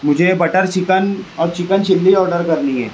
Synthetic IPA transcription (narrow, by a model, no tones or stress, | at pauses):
mʊd͡ʒʱebɐʈəɾt͡ʃɪkənɔːɾt͡ʃɪkənʃʰɪlːiɔːɾɖəɾkɐɾniɦɛ̰ː